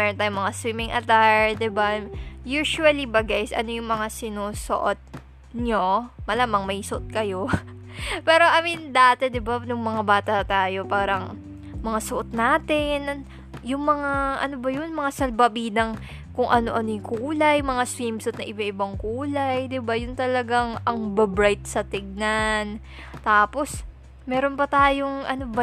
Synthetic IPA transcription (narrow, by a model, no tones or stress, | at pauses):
mɛːɾont̪aːjʊŋmɐŋaswimɪŋʔɐt̪aɹd̪ɪbajuːʃuɐlibɐɡajsʔɐ̰no̞jʊŋmɐŋasɪnuːso̰ʔot̪̚ | ɲomɐlaːmɐŋmɐjsoʔot̪̚kɐjo̞ | pɛːɾo̞ʔɐmind̪aːt̪ɛd̪ɪbanʊŋmɐŋabaːt̪ɐt̪aːjo̞paːɾɐŋ | mɐŋasoʔot̪̚naːt̪ɪn | jʊŋmɐŋaʔɐ̰no̞bɐjʊnmɐŋasɐlbɐbiːd̪ɐŋ | kʊŋʔɐno̞ʔɐnojkuːlɐjmɐŋaswimsot̪̚nɐʔɪbɐʔɪbɐŋkuːlɐjd̪ɪbajʊnt̪ɐlɐɡaŋʔɐŋbɐbɾajt̪̚sɐt̪ɪɡ̚nan | t̪aːpo̞s | mɛːɾo̞npɐt̪aːjo̞ŋʔɐnobɐ